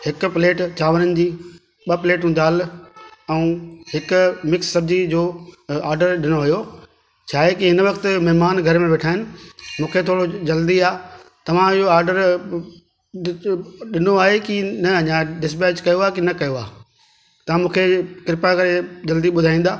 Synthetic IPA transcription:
hɪk̆pɪleːʈt͡ɕaːʋəɾənɪ̆d͡ʑiː | ɓɐpleːʈũd̪aːl | ɛ̃ũːɦɪkʊmɪksːɐb̚ʱd͡ʑid͡ʑoːaːɾɖəɾɗɪnoʋjo | t͡ɕʰaːɦekiɦɪnʋɐkt̪̆mɐɦmaːnɡʱɐɾmẽʋeʈʰaːɦɪnɪ̆mũːkʰet̪ʰoːɽod͡ʑɐld̪iaː | t̪ɐʋ̤ãɪɦoaːɾɖəɾ | ɗɪnoaːɦekinɐɐɲãɖɪs̬bɛːd͡ʑkɐjoaːekinɐkɐjoaː | t̪ɐãmũːkʰekɪɾɪpakɐɾed͡ʑɐld̪iɓʊd̪ʱaːĩːnd̪aː

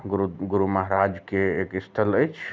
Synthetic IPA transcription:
ɡuɡuɾuməɦɾad͡ʒkeekist̪ʰələjt͡ʃʰ

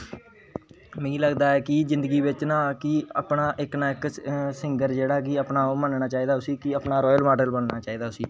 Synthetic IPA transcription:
mẽːiːləɡd̪aːɛːkɪd͡ʒɪnd̪əɡiːʋɪt͡ʃnãːkiəpnaːʔɪknãːɪksɪŋɡəɾd͡ʒeːɽaːkiəpnaːoːmənɳaːt͡ʃaːiːd̪aːʊsiːkɪəpnaːɾɔːjəlmaːɖəlmənnaːt͡ʃaːiːd̪aːʊsiː

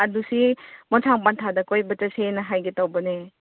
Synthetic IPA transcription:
adusimɔnsʰaŋpantʰadɐkojbɐtasenɐɦajɡetawbɐne

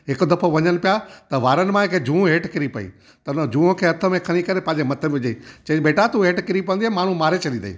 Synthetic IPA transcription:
ɦɪkʊd̪ɐfʰoʋɐɲənɪ̆pijat̪ɐʋaːɾənɪ̆mãɦɪkʰed͡ʑʱũːɦeːʈkɪɾipɐḭ | t̪ɐʊnəd͡ʑũːõkʰeːɐt̪ʰə̆mẽkʰɐɽ̃ikɐɾepɐ̃ɦɪ̃ɲd͡ʑemɐt̪ʰəʋɪd͡ʑeit͡ɕɐ̃beːʈat̪uɦeːʈkɪɾipɐənd̪iaːmaːɳ̤ũmaːɾet͡ɕʰɐlĩnd̪ɐ̰ḭː

